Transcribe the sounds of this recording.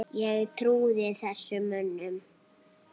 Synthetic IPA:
jɛɣt̪ʰɾuːðɪθɛsːʏmʏnːʏm

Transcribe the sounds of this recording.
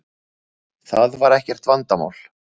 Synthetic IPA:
θaðvaɾɛhcɛɾ̥t̪vant̪ama̰ːwl̥

